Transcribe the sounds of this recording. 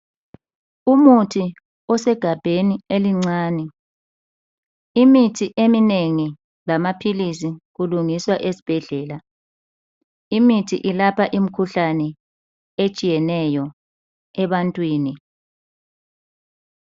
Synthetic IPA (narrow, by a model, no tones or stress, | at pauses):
umutʰi | ɔsɛɡ̥ʱab̥ʱenieliŋ͡ǀaːnɛ | imitʰiʔemineŋi | lamapʰilisiɣuluŋiswaʔesi̥b̥ʱɛɮɛːla | imitʰiʔilapʰaʔim̩kʰuɬanɛ | et͡ʃʼijɛnɛjɔ | ɛβantʼwiːni